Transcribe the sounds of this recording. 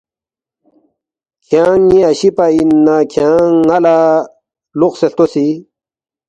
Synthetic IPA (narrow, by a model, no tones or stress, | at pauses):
kʰjãŋĩaɕipainakʰjãala | luqseɬt̪osi